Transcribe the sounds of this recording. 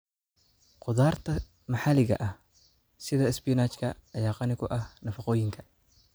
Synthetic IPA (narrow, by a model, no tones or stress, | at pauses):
qʊðaːrt̪ʰɐ | mɐħalɪɣɐ̰ʔɐh | sɪðɐɪspijnaːt͡ʃkʰɐɐjaːqɑnɪkʰʊʔɐhnɐfɑqɔːjɪŋkʰɐ̥